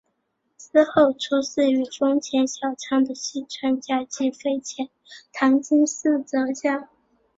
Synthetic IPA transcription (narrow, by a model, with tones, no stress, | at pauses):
sɹ̩˥xo˥˩ʊʈ͡ʂʰu˥s̩˥˩y˧˥ʈ͡ʂʊ˥ŋt͡ɕʰjɛ˧˥nɕjɑ˨˩ʊʈ͡ʂʰɑ˥ŋd̪ə˨ɕi˥˩ʈ͡ʂʰwa˥nt͡ɕja˥t͡ɕi˥˩fe˥˧ɪt͡ɕʰjɛ˧˥nt̪ʰɑ˧˥ŋt͡ɕi˥ŋs̩˥˩t͡sɤ˧˥ɕja˥˩